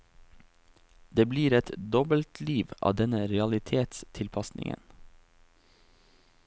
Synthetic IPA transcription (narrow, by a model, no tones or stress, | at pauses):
d̪eːbliːɾɛt̪d̪ɔbəlt̪ʰliːʋɑ̰ːd̪ɛnəɾɛɑlɪt̪ʰeːt̪st̪ʰɪlpʰɑsnɪ̰ŋə̰n